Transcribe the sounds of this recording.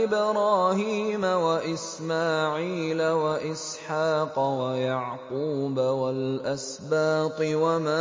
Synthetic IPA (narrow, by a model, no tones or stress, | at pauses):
ɪbɾˤɑːhiːmawaʔɪsmaːʕiːlawaʔɪsħaːqwajaʕquːbawalʔas | baːt̪ˤɨwamaː